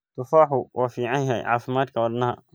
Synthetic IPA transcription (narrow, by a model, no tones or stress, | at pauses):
t̪ʊfaːħʊwʔɑːfiːʕɑŋjɛjʕɑ̰ːfɪmaːd̪kʰɐwɔdnɐɦɐ̰